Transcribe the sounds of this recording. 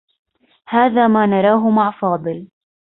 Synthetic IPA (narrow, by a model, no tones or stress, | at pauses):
haːðaːmaːnɑɾˤɑːɦʊmaʕfɑːd̪ˤɨl